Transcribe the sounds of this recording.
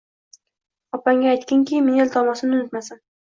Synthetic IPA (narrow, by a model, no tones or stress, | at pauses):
ɒpaŋɡʲaːjt̪kʲɪŋkʲʰɪmenelt̪ʰɒmɒsɪnɪʊnɪt̪masan